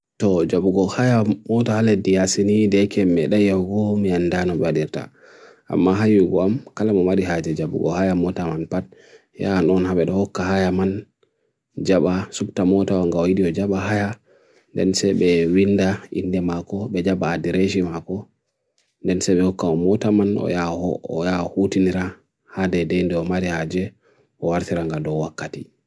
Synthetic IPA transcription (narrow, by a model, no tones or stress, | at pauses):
tɔd͡ʒabuɡɔhajamɔtahaledijasinidɛkɛmːɛɗajawɡɔmiandanɔɓɛwaɗiɾta̰ | ʔa̰mːaɦajuɡɔamkalamɔmaɗiɦad͡ʒɛd͡ʒabṵɡɔ̰hajamɔtamanpat̚ | ja̰nɔnhaɓɛɗɔhɔkːaɦajaman | d͡ʒaɓasubtamɔtawaŋɡaɔjiɗiɔd͡ʒaɓaɦaja | ndɛ̰nsɛɓɛwindaḭndɛmakɔɓɛd͡ʒaɓaːdiɾeʃimakɔ | ndɛnsɛɓɛhɔkːaɔmɔtamanɔ̰jaɔjahutiniɾa | hadɛdɛjndɛɔmaɾihad͡ʒɛ | ʔɔwaɾtiɾaŋɡadɔwakːati